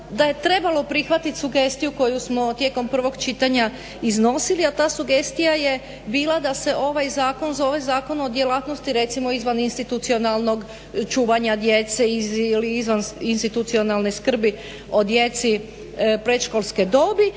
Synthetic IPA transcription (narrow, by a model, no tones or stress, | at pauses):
d̪aje̞t̪ɾe̞balˠo̞pɾixʋat̪it̪ʲsuɡe̞st̪ijuko̞jusmo̞t̪je̞ːko̞mpr̩ʋo̞ɡt͡ʃit̪aɲa | izno̞siliat̪aːsuɡe̞st̪ijaje | biːlad̪ase̞ʔo̞ʋajzaːko̞nzo̞ʋe̞zaːko̞no̞d̪jelat̪nost̪iɾe̞t̪simo̞izʋaninst̪it̪ut̪sio̞nalˠno̞ɡ | t͡ʃuːʋaɲad̪je̞t̪seiliizʋaninst̪it̪ut̪sionalneskr̩bi | o̞d̪je̞t̪si | pɾet̪ʃkolˠsked̪o̞bi